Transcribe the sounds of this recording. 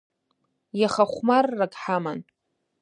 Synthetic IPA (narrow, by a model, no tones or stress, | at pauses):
jaχaχʷmarːakʼħaman